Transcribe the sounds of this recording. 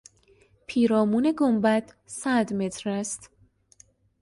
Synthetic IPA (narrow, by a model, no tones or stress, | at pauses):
pʰiːɾɒːmuːneɡombæt̪ | sæd̪me̞t̪ʰɾæst̪